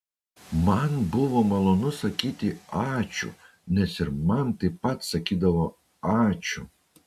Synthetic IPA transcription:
mɐnbʊʋomɐlˠonʊsɐkʲiːt̪ʲɪɑːt͡ʃʲʊ̰ | nʲɛsɪɾmɐnt̪ɐɪpɐt̪sɐkʲiːd̪ɐʋo | ɑːt͡ʃʲʊ

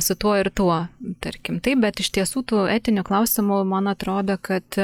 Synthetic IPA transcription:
sʊt̪uɔɪrt̪uɔt̪ɐɾʲkʲɪmt̪ɐɪp̚bʲɛt̪ɪʃt̪ʲiɛsuːt̪uːæːt̪ʲɪnʲʊklˠɐʊsʲɪmʊmɐnɐt̪ɾoːd̪okɐt̪

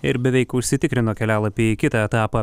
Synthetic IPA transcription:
ɪɾbʲɛʋʲɛɪkʊʃʲsʲɪt̪ʲɪkɾʲɪnoːkʲɛlʲæːlˠɐpʲiikʲɪt̪ɐɛt̪ɑːpɐ

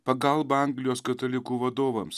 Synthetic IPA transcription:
pɐɡɐlˠbɐɐŋɡlʲɪjoːskɐt̪ɐlʲɪkuːʋɐd̪oːʋɐms

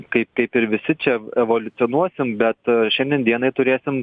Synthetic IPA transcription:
kɐɪpkɐɪpɪɾʋʲɪsʲɪt͡ʃʲɛɛʋoːlʲʊt̪sʲɪonuɔsʲɪmbʲɛt̪ʃʲɛnʲd̪ʲɛnd̪ʲiɛnɐɪt̪ʊɾʲeːsʲɪm

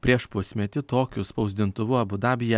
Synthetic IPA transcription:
pʲɾʲiɛʃpʊsʲmʲɛt̪ʲɪt̪oːkʲʊspɒʊzʲd̪ʲɪnt̪ʊʋʊɐbʊd̪ɑːbʲɪjɛ

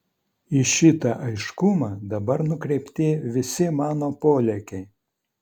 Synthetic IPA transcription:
iʃʲɪt̪ɐʔɐɪʃkʊmɑːd̪ɐbɐɾnʊkɾʲɛɪpʲt̪ʲɪːʋʲɪsʲɪmɑːnoːpoːlʲɛkʲɛɪ

